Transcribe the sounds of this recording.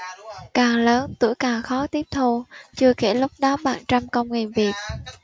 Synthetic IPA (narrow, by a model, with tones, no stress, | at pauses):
kaː˨˩ŋləː˨˦nt̪ɨ̰˧˩əjkaː˨˩ŋxɔ˨˦t̪i˦˥əp̚t̪ʰo˧t͡ɕɨ˧əxe˧˩lʊ˦˥k͡p̚ɗɔ˨˦ɓa̰ː˧˩ŋt͡ɕa˧mkə˧wŋ͡mŋe˨˩nvi˨˩ət̚